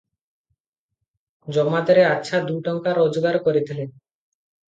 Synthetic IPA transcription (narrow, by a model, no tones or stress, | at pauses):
d͡ʑɔɡmad̪eɾeatːɕʰad̪ujʈɔŋkaɾod͡ʑɡaɾkoɾet̪ʰilen